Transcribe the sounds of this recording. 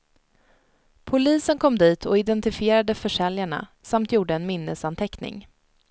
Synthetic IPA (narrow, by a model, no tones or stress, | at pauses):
pʰʊliːsənkʰɔmd̪iːt̪ʰɔɪd̪ɛnt̪ɪfɪeːɾad̪əfœʂɛljaɳa̰samt̪ʰjuːɖəɛnmɪnːəsant̪ʰɛknɪ̰ŋ